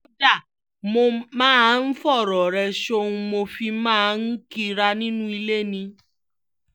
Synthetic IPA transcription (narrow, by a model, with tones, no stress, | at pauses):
da˦˨ | mo˧mãː˦˨˦n̩˦fɔ˦˨ɾɔ˨ɾɛ˧ʃo˦˧ũ˧mo˧fi˧mãː˦˧˦n̩˦ki˧ɾa˧nĩ˦nũ˦i˧le˦˨nĩ˧